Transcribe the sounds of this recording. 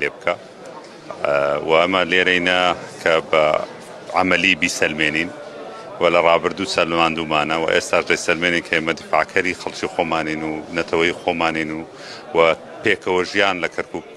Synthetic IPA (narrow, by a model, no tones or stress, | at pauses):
leːbɨkʰa | wɐʔɐmɐleːɾɐjnɐkʰɐbɐ | ʕamɐlibiːsɐlmeːniːn | wɐlɐrˤɑːbɨɾd̪uːsɐlmaːnd̪uːmaːnɐwɐ̰ʔeːst̪aːʃd̪ɐjsɐlmeːniːnkʰɐʔeːmɐd̪ɪfa̰ʕkʰɐɾixɐlt͡ʃiːxomaːniːnunɐt̪ʰɐwɐjiːxomaːninu | wɐ | pʰeːkʰɐwɐʒijaːnlɐkʰɐɾkuːk̚